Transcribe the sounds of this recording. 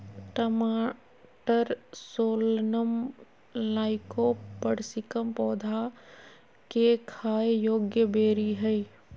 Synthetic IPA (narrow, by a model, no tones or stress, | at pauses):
ʈəmaː | ʈəɾsoːlnəm | laːɪkopəɽsɪkəmpɔːd̪ʱa | kekʰaːjjoːɡjəbeːɾiɦɛi